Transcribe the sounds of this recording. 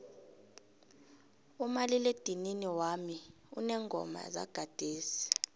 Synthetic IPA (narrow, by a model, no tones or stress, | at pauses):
umaliled̥ʱininiwami | unɛŋɡʱɔ̰ma̰za̰ɡ̥ʱad̥ʱeːsi̥